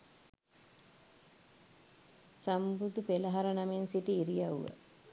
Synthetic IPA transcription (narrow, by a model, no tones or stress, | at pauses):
sambud̪upeləɦaɾənɐmensiʈiːɾijauʋə̰